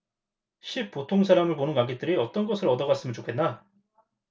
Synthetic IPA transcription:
ɕʰip̚p͈otʰoŋsʰaɾamɯɭponɯnkwaŋɡet͈ɯɾiʌt͈ʌnɡʌsʰɯɾʌdʌɣas͈ɯmʌnt͡ɕokʰe̞nːa

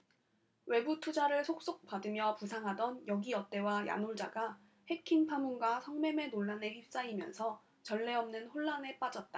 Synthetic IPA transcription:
we̞butʰud͡ʑaɾɯɭsʰok̚s͈ok̚p͈adɯmjʌpusʰaŋɦadʌnjʌɡiʌt͈e̞waja̰noɭd͡ʑaɡa | he̞kʰinpʰamunɡwasʰʌŋme̞me̞noɭːane̞çip̚s͈aimjʌ̰nsʰʌ | t͡ɕʌɭːe̞ʌmnɯnɸoɭːane̞p͈ad͡ʑʌt̚t͈a

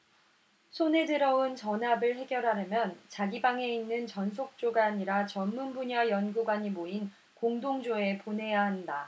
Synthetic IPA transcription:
sʰone̞dɯɾʌunt͡ɕʌnɦabɯɭɦe̞ɡjʌɾɦaɾjɯmjʌnt͡ɕaɡibaŋe̞inːɯnt͡ɕʌnsʰok̚t͡ɕ͈oɡaːɲiɾat͡ɕʌnmunbuɲajʌnɡuɡwaɲimoin | koŋdoŋd͡ʑoe̞pone̞jaɦanda

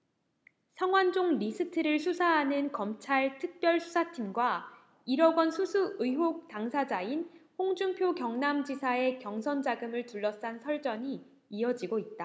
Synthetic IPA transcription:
sʰaŋwand͡ʑoŋɾisʰɯtʰɯɾɯɭsʰusʰaɦanɯnkʌmt͡ɕʰaɭtʰɯk̚p͈jʌɭsʰu̥sʰatʰimɡwa | iɾʌɡwʌnsʰusʰuɯjɦok̚taŋsʰad͡ʑainɸoŋd͡ʑuŋpʰjokjʌŋnamd͡ʑisʰae̞kjʌŋsʰʌnd͡ʑaɡɯmɯɭtuɭːʌs͈ansʰʌɭt͡ɕ͈ʌɲiː | ʌd͡ʑiɡoit̚t͈a

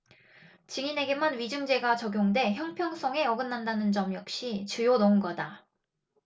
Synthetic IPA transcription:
t͡ɕiŋine̞ɡe̞manɥid͡ʑuŋd͡ʑe̞ɡat͡ɕʌɡjoŋde̞çjʌŋpʰjʌŋs͈ʰʌŋe̞ʌɡɯnːandanɯnd͡ʑʌmjʌk̚ɕ͈it͡ɕɯjonʌɯnɡʌda

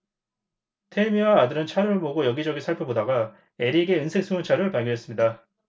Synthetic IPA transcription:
tʰemiwaːdɯɾɯnt͡ɕʰaɾɯɭmoɡojʌɡid͡ʑʌɡinsʰaɭpʰɯbodaɡa | e̞ɾiɡe̞ɯnsʰe̞k̚s͈ʰuŋjɯnt͡ɕʰaɾɯɭpaɭɡʌnɦe̞s͈ɯmɲida

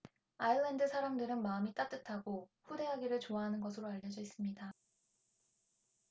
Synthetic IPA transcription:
aiɭːandɯsʰaɾamdɯɾɯnmaɯmit͈at͈ɯtʰaɡoɸude̞ɦaɡiɾɯɭt͡ɕoaɦanɯnɡʌsʰɯɾoaʎːʌd͡ʑʌis͈ɯmɲida

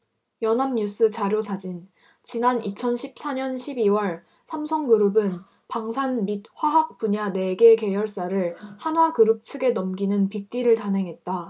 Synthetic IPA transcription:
jʌnamɲus͈ʰɯt͡ɕaɾjosʰad͡ʑin | t͡ɕinanit͡ɕʰʌnɕʰip̚s͈aɲʌnɕʰibiwʌɭ | sʰamsʰʌŋɡɯɾɯbɯn | paŋsʰanmid̚ɸwaɦak̚p͈uɲane̞ɡe̞ke̞jʌɭs͈aɾɯɭhanɦwakɯɾɯp̚t͡ɕʰɯɡe̞nʌmɡinɯnpik̚t͈iɾɯɭtanɦe̞ŋɦe̞t̚t͈a

